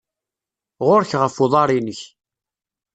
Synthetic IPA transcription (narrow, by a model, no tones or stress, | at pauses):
ʁʊɾçʁəfʊðˤɑɾˤinəç